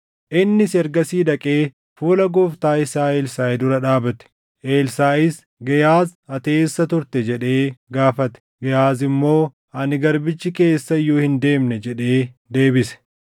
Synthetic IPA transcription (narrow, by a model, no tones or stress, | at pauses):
ʔɪnːɪsɛɾɡɐsiːᶑ̪ɐkʼeː | fuːlɐɡɔːft̪aːɪsaːeːlsaːɛd̪ʊɾɐᶑaːbɐt̪ɛ̥ | ʔeːlsaːʔɪs | ɡɐjaːzɐt̪e̞ːsːɐt̪ʊɾt̪ɛd͡ʒɛᶑe̞ːɡaːfɐt̪ɛ̥ɡɐjaːzɪmːo̞ː | ɐnɪɡɐɾbɪt͡ʃːɪke̞ːsːɐɪjuːhɪnd̪e̞ːmnɛd͡ʒɛᶑe̞ːd̪e̞ːbɪsɛ̥